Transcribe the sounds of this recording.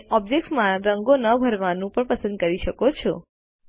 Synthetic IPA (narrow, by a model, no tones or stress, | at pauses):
ɔb̚d͡ʒek̚ʈsmãɾəŋɡonəbʱəɾʋanũpəɳpəsə̃nd̪̚kəɾiʃəkot͡ʃʰɔ